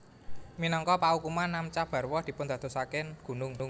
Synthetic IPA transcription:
minɔŋkɔpaukumanːamt͡ʃab̥ä̤rwɔhd̪̥i̤pʊnd̪̥ä̤t̪o̤sakɪnɡ̥ṳnʊŋʊŋ

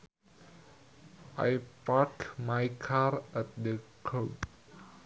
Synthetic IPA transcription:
ʔa̰jpakmajkʰarat̚dəkʰop

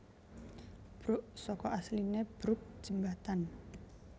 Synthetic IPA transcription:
b̥ɾʊʔsɔkɔʔaslineb̥ɾʊk̚d͡ʒ̥ə̤mbat̪an

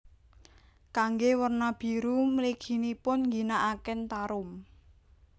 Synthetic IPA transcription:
kaŋɡewərnab̥i̤ɾumliɡ̥i̤nipʊnŋɡinaʔakɛnt̪aɾʊm

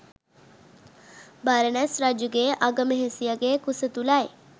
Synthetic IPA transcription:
baɾənasɾad͡ʒuɡeʔaɡəməɦesijaɡekusət̪ulae

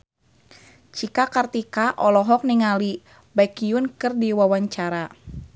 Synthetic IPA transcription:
t͡ʃikakart̪ikaʔɔlɔɦɔk̚niŋali | baikiunkɨrdiwawaɲt͡ʃaɾa

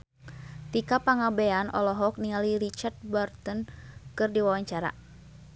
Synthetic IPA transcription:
t̪ikapaŋabɛanʔɔ̰lɔɦɔk̚niŋalirit͡ʃart̪̚bɔrt̪ənkɨrdiwawaɲt͡ʃaɾa̰

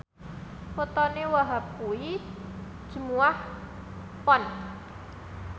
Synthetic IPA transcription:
put̪ɔnewaɦap̚kui | d̥ʒ̥ə̤muah | pɔn

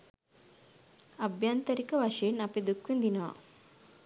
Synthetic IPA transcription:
ɐbʱjant̪ɐɾikɐʋɐʃenɐped̪ukʋind̪inɐʋɐ̰

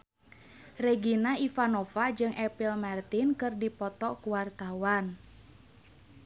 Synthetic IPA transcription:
rɛɡinaifanɔfad͡ʒɨŋʔɛpilmart̪inkɨrdipɔt̪ɔkuwart̪awan

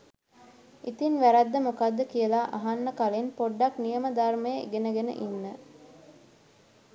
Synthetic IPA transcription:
it̪inʋæɾɐd̪ːəmokad̪ːəkijəlaːʔaɦanːəkalenpoɖːaknijəməd̪armejḭɡenəɡenə̰ʔinːə

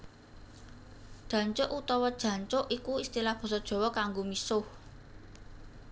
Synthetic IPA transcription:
d̥ʒ̥ä̤ɲt͡ʃʊʔut̪ɔwɔd̥ʒ̥ä̤ɲt͡ʃʊʔikuist̪ilahb̥ɔ̤sɔd̥ʒ̥ɔ̤wɔkaŋɡomisʊh

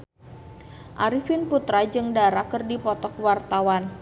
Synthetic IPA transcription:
ʔaɾifɪnput̪ɾad͡ʒɨŋdaɾakərdipɔt̪ɔkwart̪awan

